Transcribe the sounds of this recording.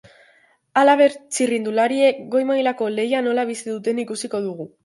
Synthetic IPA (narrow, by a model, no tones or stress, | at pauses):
alaβ̞e̞ɾt͡ʃirind̪ulaɾie̞kɡo̞jmajlako̞le̞jano̞laβ̞isiðut̪e̞nikusiko̞ð̞uɣ̞u